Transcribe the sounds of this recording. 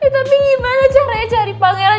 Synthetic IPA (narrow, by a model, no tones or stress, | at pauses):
it̪umimanat͡ʃaɾaɲad͡ʒaɾipaŋɛɾan